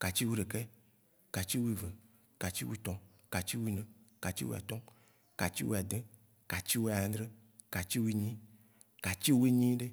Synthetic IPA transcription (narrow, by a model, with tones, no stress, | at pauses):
ka˨t͡ɕi˦wu˦ɖe˨kɛ˦ | ka˨t͡ɕi˦wu˦i˦˨ve˨ | ka˨t͡ɕi˦wu˦t̪ɔ̃˨ | ka˨t͡ɕi˦wu˦nɛ̃˨ka˨t͡ɕḭ˦wṵ˦a̰˨t̪ɔ˦ | ka˨t͡ɕi˦wṵ˦˨a˨d̪e˦ | ka˨t͡ɕi˦wu˦ã˨d̪ɾe˦ | ka˨t͡ɕi˦wu˦i˦ɲĩ˦ | ka˨t͡ɕi˦wu˦i˦ɲĩ˦ɖe˦